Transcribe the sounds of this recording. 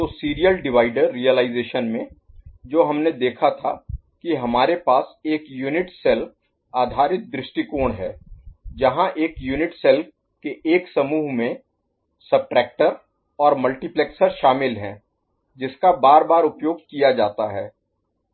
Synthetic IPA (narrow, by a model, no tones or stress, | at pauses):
t̪oːsiːɾijəlɖɪʋaːɪɖəɾːijəlaːɪzeːʃənmẽ | d͡ʒoːɦɐmned̪eːkʰat̪ʰa̰ | kiɦɐmaːɾepaːseːkjuːnɪʈsɛlf | aːd̪ʱaːɾɪt̪̚d̪ɾɪʃʈikoːɽ̃ɦɛ̰ːd͡ʒɐɦãʔeːkjuːnɪʈsɛlf | keʔeːksɐmuːɦmẽ | sɐb̚ʈɾɛːk̚ʈəɾ | ɔːɾmɐlʈiplɛːksəɾʃaːmɪlɦɛ̃ː | d͡ʒɪskabaːɾbaːɾʊpjoːɡkijad͡ʒaːt̪aɦɛː